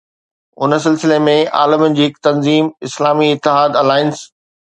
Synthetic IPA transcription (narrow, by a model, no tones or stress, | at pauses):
ʊnəsɪlsɪlemẽa̰ːlɪmənɪ̆d͡ʑiːɦɪkt̪ɐnziːmɪslaːmiɪt̪ːɪɦaːd̪ɐlaːɪns